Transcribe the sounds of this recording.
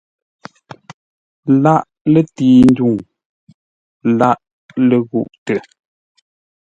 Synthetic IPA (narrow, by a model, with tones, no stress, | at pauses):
la˦ʔ | le˨tiː˨n˦du˦˨ŋ | la˦ʔ | le˨ɣṵ˦˨ʔtɛ˨